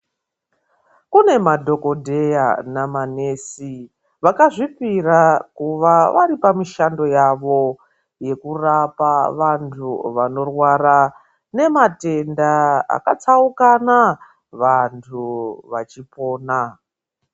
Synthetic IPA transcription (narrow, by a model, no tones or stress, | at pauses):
kune̞madʱo̞ko̞dʱe̞ja̰namane̞si | ʋakaʐipirakuʋaʋaɾipamiʃando̞jaʋo̞ | je̞kurapaʋantʰuʋano̞rwara | ne̞mate̞ndaa̰kat͡saukana | ʋantʰuʋat͡ʃipo̞ːna